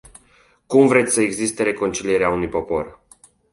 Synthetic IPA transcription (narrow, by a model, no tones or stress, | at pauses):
kumvɾe̞t̪sʲsəe̞ɡzist̪e̞ɾe̞ko̞nt͡ʃilije̞ɾeaunujpo̞po̞r